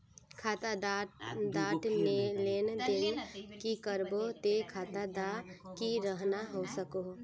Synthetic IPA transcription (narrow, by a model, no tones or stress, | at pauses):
kʰat̪aad̪aːʈmelend̪ɪnkikəɾbot̪ekʰaːt̪ad̪akiɾəɦnaɦosəko